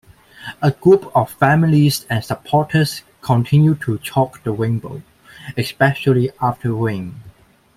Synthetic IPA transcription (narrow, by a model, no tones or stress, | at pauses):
əɡɹupʰɔffæmilisɛ̃nsəpʰɔtʰəs | kʰɔ̃ntʰɪ̃njud̚tʰut͡ʃʰɔkdəwẽŋbo̰ʊ | ɛspɛʃəliaftʰəwẽn